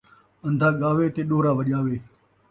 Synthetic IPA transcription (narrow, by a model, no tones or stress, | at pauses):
ə̃nd̪ʱaːɠaːʋet̪eːɗoːɾaːʋɐʄaːʋeː